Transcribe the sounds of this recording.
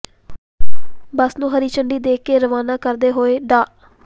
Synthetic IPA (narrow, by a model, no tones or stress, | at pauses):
bəsnũːɦəɾiːt͡ʃəɳɖiːd̪eːkːeːɾəʋaːnãːkəɾd̪eːɦoːeːɖaː